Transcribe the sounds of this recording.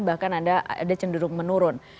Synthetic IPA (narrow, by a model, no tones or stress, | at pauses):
nbahkanadaa̰dat͡ʃəndəɾʊk̚mənuɾʊn